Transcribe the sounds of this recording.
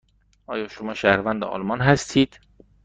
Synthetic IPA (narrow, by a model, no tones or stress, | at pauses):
ʔɒːjɒːʃomɒːʃæhɾvænd̪eʔɒ̰ːlmɒnɦæst̪ʰiːd̪̥